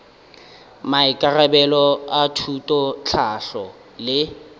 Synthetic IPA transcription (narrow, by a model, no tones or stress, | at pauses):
maɪkʼarabɛlɔatʰutʼɔt͡ɬʰaɬɔ | lɪ